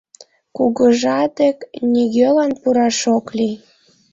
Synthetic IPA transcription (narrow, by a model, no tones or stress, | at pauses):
kuɣəʒɑt̪eknʲiɣølɑnpuɾɑʃokli